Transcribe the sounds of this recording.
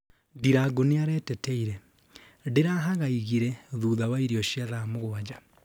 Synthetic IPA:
diɾaɡoneaɾɛːtɛtɛiɾɛ | deɾaɦaɣaiɣiɾɛðuːðawaiɾiɔʃiaðamoɣoad͡ʑa

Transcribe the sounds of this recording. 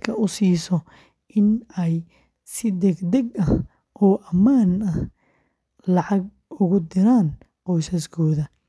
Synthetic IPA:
kʰɐʊsiːsɔ | ʔɪnɛj | sɪd̪ɛɡd̪ɛɡɐ | ʔɔːʔɐmaːnɐh | lɑʕɑɡ | ʊɣʊd̪ɪɾaːn | qɔjsɐskʰɔːðɐ

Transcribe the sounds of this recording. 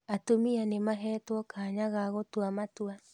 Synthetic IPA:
atomianemaɦɛːtwɔkaːɲaɣaɣotwamatwa

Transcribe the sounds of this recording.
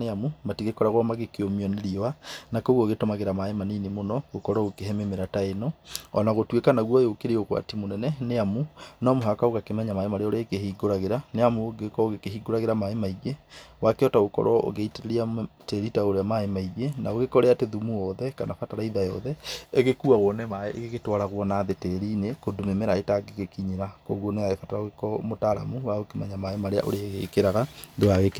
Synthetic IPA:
eamumatiɣekɔɾaɣɾɔmaɣekeomiɔneɾianakoɣwɔːɣetɔmaɣeɾamaemaninemonɔɣokɔɾɔokeɦɛmemeɾataenɔɔnaɣotwekanaɣwɔjokeɾeokwa̰timonɛnɛneamunɔmoɦakaoɣakemɛɲamaemaɾeoɾekeɦiɡoɾaɣeɾaneamoɡekɔoɣekeɦiɡoɾaɣeɾamaemaiɣewakeɔtaokɔ̰ɾɔo̰ɣeiteɾeɾiateɾitaoɾeamaemaiɣenaoɣekɔɾeateðumuɔðɛkanafataɾaiðajɔðɛeɣekuaɣwɔnɛmaɣeɣetwaɾaɣwɔnaːðetɛɾinekodomemeɾaetaɡekekiɲeɾakoɣoneaɣefataɾaoɣekɔmotaɾa̰muwaokemɛɲamaemaɾea̰ʔo̰ɾeɣekeɾaɣaðoaɣeke

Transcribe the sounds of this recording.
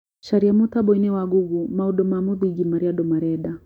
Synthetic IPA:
ʃaɾiamutaɓɔinɛwaɡuɡumauɗɔmamuðiɡimaɾiaɗɔmaɾɛɗa

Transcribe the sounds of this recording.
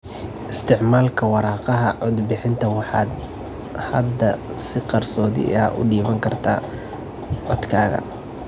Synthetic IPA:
ʔɪst̪ʰɪʕmaːlkʰɐwɑɾɑːqɑɦɐʕʊd̪bɪħɪnt̪ʰɐwɑħɑ̰ːd̪ | hɐ̰d̪ːɐsɪqɑrsɔːðɪ̰ʔɐ̰ʔʊ̰ɖiːβɐŋkʰɐrt̪ʰaː | ʕɔd̪kʰaːɣɐ̰

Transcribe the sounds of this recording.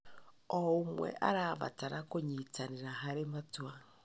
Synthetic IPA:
ɔumwɛ̰ʔaɾaβa̰taɾakoɲitaniɾaɦaɾematwa

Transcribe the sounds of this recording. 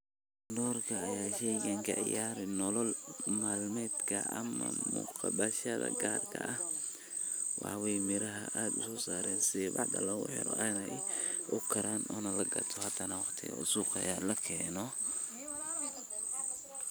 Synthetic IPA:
nɔːrkʰɐːjaːʃɛjɡɐŋkʰɐ̰ʕɪ̰jaːɾɪnɔlɔlmaːlmɛːd̪kʰɐʔɐmɐ̰mʊ̰qɑbɐʃɐðɐ̰ɡaːrkʰɐʔɐh | wʔɑ̰ħwɛjmɪɾɐɦɐʔaːd̪ʊsɔːsaːɾɛːnsɪðɛbɑʕd̪ɐ̰lɐwʊ̰ħɛ̰ɾɔʔaːnɐɪ | ʔʊkʰɐɾʔaːnʔɔːnɐlɐɡɐt̪ʰɔhɐt̪ʰːɐnɐwɑqt̪ʰɪɣɐ̰ʊsuːqɐ̰jaːlɐkʰɛːnɔ

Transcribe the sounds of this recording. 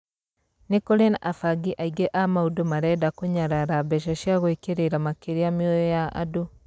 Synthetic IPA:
nekoɾenaʔafaɡiʔaiɡeʔamaudomaɾɛdakoɲaɾaɾabɛʃaʃjaɣwekeɾeɾamakeɾeameojɔjaʔa̰do

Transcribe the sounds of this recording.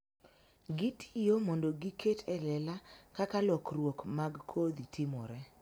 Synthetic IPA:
ɡitʰɪ̥jomondoɡikʰetʰɛlɛlakakalɔkrwokmaɡkʰod̪itʰɪmɔɾɛ

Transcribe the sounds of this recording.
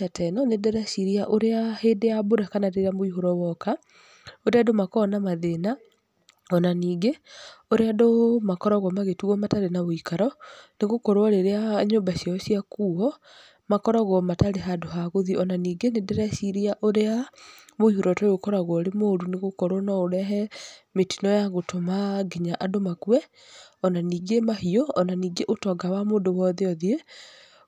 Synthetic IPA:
atʰɛnɔnedɛɾasiɾiaʔoɾeaheːdeaboɾakanaɾeɾeamoihoɾɔwɔka | oɾeadomakɔnamaðena | ɔnaniːɡeoɾeadomakɔɾɔɣɔmaɣetuɣɔmataɾenaβoikaɾɔneɣokɔɾwaɾeɾeaɲoːmbaɕjaɔɕijakuːɔ | makɔɾɔɣɔmataɾeɦadoɦaɣoðiɔnaniːɡenedɛɾɛsiɾiaʔoɾeamoihoɾɔtɔokɔɾaɣwɔɾemoɾuneɣokoɾɔnɔoɾɛɦɛmetinɔjaɣotʰomaɡeɲaʔadomakuɛ | ɔnaniːɡemaɦioɔnaniːɡeʔotɔɡawamoːndowɔðeɔðie

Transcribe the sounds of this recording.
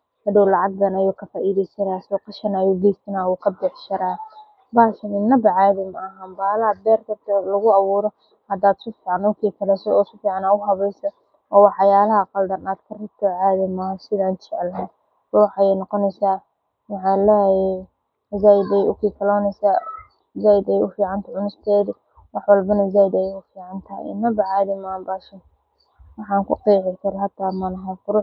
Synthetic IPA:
hɐdɔwlɑʕɑɡ̚d̪ɐnɐjuːkʰɐfaːʔiːðɛjsɐɾaːsɔqɑʃɐnɐjuːɡɛjst̪ʰɐnaːwuːkʰɐbɪħʃɐɾaː | baːʃɐnɪnɐbɐʕaːðɪmɐɐɦaɐmbaːlɐɐbɛːrkʰɐt̪ʰɐlɐɣʊɑβuːɾɔ | hɐd̪aːd̪sʊfiːʕɑnʊkʰiːkʰɐlɛsɔɔːsʊfiːʕɑnaːʊɦɐβɛjsɐ | ɔːwɑħɑjaːlɐɦɐqɑld̪ɐnaːd̪kʰɐrɪb̚t̪ʰɔʕaːðɪmɐɦɐsɪðaːnt͡ʃɛʕɛlɦɛ | bʊwħɑjɛjnɔqɔnɛjsaː | mɑʕɑlɛjɛ | zajd̪ɛjʊkʰiːkʰɐlɔːnɛjsaː | zaːjd̪ɛjʊfiːʕɑnt̪ʰɐʕʊnʊst̪ʰɛːðɪ | wɑħwɑlbɐnɐzaːjd̪ɛjʊfiːʕɑnt̪ʰɐɪ̰nːɐbɐʕɑːðɪmaːmbaʃɐ | wɑħɑːŋkʰʊ̰qiːʕɪkʰɐɾɐɦɐt̪ʰaːmɐnɐɦɐːfʊɾʊ

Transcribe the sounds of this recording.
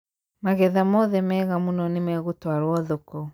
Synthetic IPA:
maɣɛðamɔðɛmɛːɣamunɔnemɛɣotwaɾwɔðɔkɔ

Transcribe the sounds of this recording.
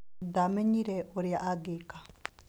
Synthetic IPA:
d̪amɛɲiɾɛʔoɾjaʔaɡeka

